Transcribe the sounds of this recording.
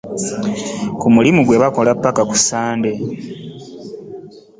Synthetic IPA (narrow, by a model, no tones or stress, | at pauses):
kumulimuɡwe̞βako̞lapːakaku̥saːnde̞